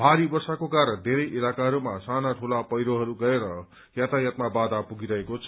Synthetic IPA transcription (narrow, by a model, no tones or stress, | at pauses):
bʱaɾibʌrsakokaɾʌnd̪ʱeɾʌjʔilakaɦʌɾumasanaʈʰulapʌjɾoɦʌɾuɡʌeɾʌ | jat̪ajat̪̚mabad̪apuɡiɾʌɦekot͡sʰʌ